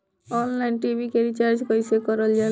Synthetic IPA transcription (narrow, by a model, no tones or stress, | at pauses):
ɔnlajnʈibʱikeɾit͡ʃaɾd͡ʒkɔjsekɔɾɔld͡ʒa